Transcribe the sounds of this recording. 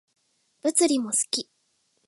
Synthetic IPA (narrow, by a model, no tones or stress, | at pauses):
b̥ɯ̟t͡sɨɾʲimosɨ̥kʲi